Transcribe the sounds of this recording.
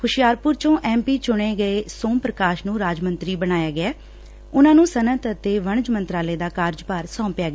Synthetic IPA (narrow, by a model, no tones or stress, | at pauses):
kʰʊʃɪjaːɾpʊɾt͡ʃõːʔɛːmpiːt͡ʃʊɳ̃eːɡəeːsoːmpɾəkaːʃnũːɾaːd͡ʒmənt̪ɾiːbəñaːjaːɡɪɛː | ʊnãːnũːsənət̪ət̪eːʋəɳ̃d͡ʒmənt̪ɾaːleːd̪aːkaːɾd͡ʒpaːɾsɔ̃ːmpɪjaːɡː